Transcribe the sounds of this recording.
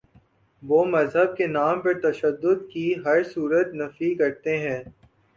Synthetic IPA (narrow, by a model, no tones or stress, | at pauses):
ʋoːmɐzɦəb̚kenaːmpɐɾt̪ɐʃəd̪ːʊd̪kiɦɐɾsuːɾət̪nɐfikɐɾt̪eɦɛ̃ː